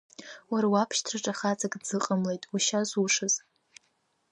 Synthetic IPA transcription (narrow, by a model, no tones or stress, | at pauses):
waɾawapʰʃtʰraʈ͡ʂʼaχat͡sʼakʼd͡zɨqʼəmlejtʼuʃazuʂɨz